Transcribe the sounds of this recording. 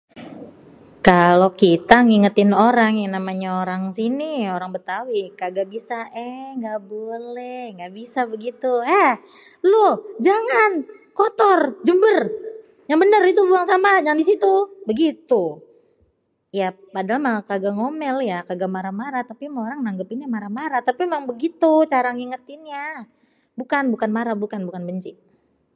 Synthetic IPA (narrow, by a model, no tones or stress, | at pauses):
kalokit̪aŋiŋət̪ɪnoɾaŋjanamaɲaoɾaŋsinioɾaŋbət̪awikaɡabisaʔɛŋɡabolɛhŋɡaʔbisabəɡit̪uɛ | lod͡ʒaŋankot̪ɔrd͡ʒəmbər | jaŋbənərit̪̬ubuaŋsamajaŋdisit̪ubəɡit̪u | ja | padalamakaɡaŋomɛljakaɡamaɾamaɾat̪apimaoɾaŋnaŋɡəpinamaɾamaɾat̪apiemaŋbəɡit̪ut͡ʃaɾaŋiŋət̪inɲa | bukanbukanmaɾabukanbukanbəɲt͡ʃi